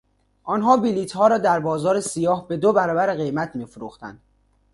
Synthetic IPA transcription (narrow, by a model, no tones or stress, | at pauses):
ʔɒnɦɒːbiliːt̪ʰhɒːɾɒːd̪æɾbɒːzɒːɾesijɒːhbe̞d̪obæɾɒːbæɾeɣe̞jmæt̪ʰmiːfoɾuːxt̪æ̰nd̪̥